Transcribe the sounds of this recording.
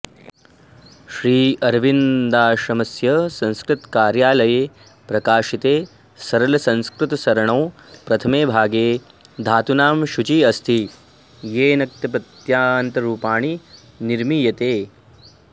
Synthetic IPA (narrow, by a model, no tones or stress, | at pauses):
ʃɾiːɐɾʋind̪aːʃɾɐmɐsjɐsɐ̃nskɾɪt̪kaːɾjaːlɐjeː | pɾɐkaːʃit̪eː | sɐɾɐlɐsɐ̃nskɾɪt̪ɐsɐɾɐɳɐw | pɾɐt̪ʰɐmeːbʱaːɡeː | d̪ʱaːt̪unaːmʃut͡ʃiɐst̪ʰi | jeːnɐk̚t̪ɐp̬ɐt̪jaːnt̪ɐɾuːpaːɳ̃i | niɾmiːjɐt̪eː